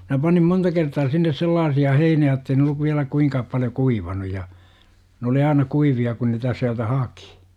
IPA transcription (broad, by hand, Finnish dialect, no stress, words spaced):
minæ pɑnim montɑ kertɑː sinːes selːɑːsiɑ heiniæ jə̆tːei ne olːuʋ ʋiælæ kuiŋkɑːp pɑljo kuiʋɑnu jɑ n oli ɑinɑ kuiʋiɑ kun niːtæ siæltæ hɑki̥